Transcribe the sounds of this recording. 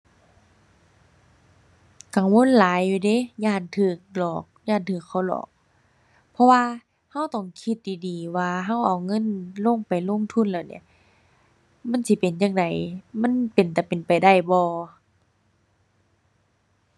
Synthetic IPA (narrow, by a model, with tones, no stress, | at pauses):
ka˨ŋwo˧˥˨nlaː˨˦jːuː˧de˧˦˨jaː˧˩nt̪ʰɯː˧˩k̚lɔː˨˩k̚jaː˧˩nt̪ʰɯː˧˩kʰːa˧˩wlɔ̰ː˧˩k̚ | pʰɔ˧waː˧ | ha˧˥˨wt̪ɔ˧˩ŋkʰi˧˦t̪̚diː˨˩diː˨waː˧ɦa˧˥˨wʔa˨˩wŋɤ˧˥˨nlo˧˥˨ŋpa˨jlo˧˥˨ŋt̪ʰu˧˥˨nlaː˧˩˨nḭ˧˩ɐ˨ | ma˧˥˨nsi˧˦pe˨˩njaː˧ŋda˨jma˧˥˨npe˨˩nt̪ɛ˧˩pe˨npa˨jda˧˩jbɔː˧